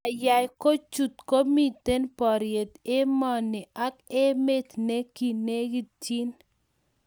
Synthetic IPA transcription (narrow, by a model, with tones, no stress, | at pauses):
a˨ja˨jko˦t͡ʃu˨t̪̚ko˦mi˨t̪e˦npɔ˨ɾje˨t̪e˦mɔ˨nɪ˨a˦ke˦me˦t̪ne˦ki˨ne˦ɡi˦ti˦n